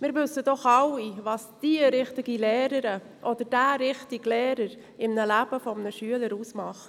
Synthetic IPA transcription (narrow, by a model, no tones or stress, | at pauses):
mɪːɾvʉsːəd̥ɔχɑwivɑsd̥iəɾɪχt̪ɪɡilɛːɾəɾə | ʔɔd̥əɾd̥æːɾɪχtɪɡlɛːɾəɾ | ɪmnəlæb̥əfɔmnəʃyələɾuːsmɑχt